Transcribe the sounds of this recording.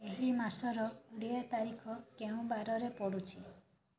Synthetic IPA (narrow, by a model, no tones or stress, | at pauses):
eɦimasɔɾɔuɽiat̪aɾikʰɔkeũbaɾɔɾepɔɽut͡ʃʰi